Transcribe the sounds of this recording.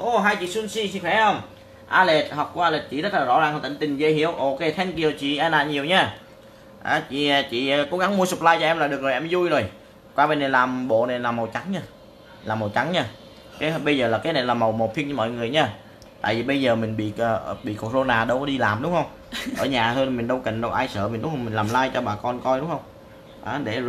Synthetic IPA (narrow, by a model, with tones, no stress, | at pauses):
ʔo˨˩ɦaː˧jt͡ɕḭ˧˨swi˧nsi˧si˧ŋxwɛ˧˥hə˧wŋ͡m | ʔaː˧le˨˩t̚hɔ˨˩k͡pku˧˩˦ʔa˧le˨˩t̚t͡ɕḭ˧˨zə˦˥t̚laː˨˩zɔ̰˧˥zaː˨˩ŋhə˧˩t̪ï˧˨ŋt̪ï˨˩ŋ̟ze˧˩hi˧˥˨əwʔo˧ke˧˩t̪ʰɛ˧nk̬i˨˩ə˩wt͡ɕḭ˧˨ʔaː˧na̰ː˧˨ɲi˨˩əwɲaː˧ | ʔaː˨˩t͡ɕḭ˧˨˩t͡ɕḭ˧˨˩ko̰˨˥ɣa˨˦ŋmu˧əsɨ˨˩p̚laː˧jt͡ɕɔ˧ʔɛ˧mlaː˨˩ɗɨ˨˩ək̚zoː˨˩jʔɛ˧mzu˧jzo˨˩j | kwaː˧ɓe˧˩ne˨˩jlaː˨˩mɓo̰˧˨na˨˩jlaː˨˩mə˨˩wt͡ɕa˨˦ŋɲaː˧ | laː˨˩mːə˨˩wt͡ɕa˨˦ŋɲaː˧˩ | kaː˨˦jhɓə˧jzəː˨˩laː˨˩kaː˨˦jna˨˩jlaː˨˩mə˨˩wmə˨˩t̪̚ʰi˧nt͡ɕɔ˧mɔ̰˧˨jŋɨ˨˩əjɲaː˧˩ | t̪a̰ː˧˨jvi˨˩ɓə˧jzəː˨˩mï˨˩ŋ̟ɓḭ˧˨əː˨˩˨ɓḭ˧˨ko˧˩zo˧naː˨˩ɗə˧wkɔ˨˦ɗi˧laː˨˩mɗʊ˨˦ŋ͡mhə˧wŋ͡m | ʔəː˧˩ɲaː˨˩t̪ʰoː˧˨mi˨˩ŋɗə˧wkḭ˧˨ŋ̟ɗə˨˧wʔaː˧jsəː˧˨mi˨˩ɗʊ˦ŋ͡mhə˧ŋ͡mmï˨˩ŋ̟laː˨˩mlaː˧jt͡ɕɔ˧ɓaː˨˩kɔ˧nkɔ˧jɗʊ˨˦ŋ͡mhə˧wŋ͡m | ʔaː˨˩ɗe˧˩